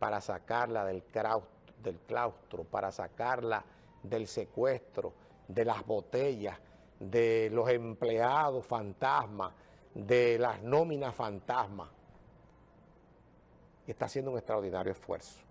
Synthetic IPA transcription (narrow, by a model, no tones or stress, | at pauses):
paɾasakaɾlaðe̞lkaw | d̪e̞lklawst̪ɾopaɾʔasakaɾla | ðe̞lse̞kwe̞st̪ɾo̰ | ðe̞lazβo̞t̪e̞ʝas | ðe̞lo̞se̞mple̞aðo̞sfant̪asmas | d̪e̞lasnõmĩnasfant̪asmas | e̞ht̪asjend̪uŋe̞st̪ɾaoɾðinaɾjoesfwḛɾso̥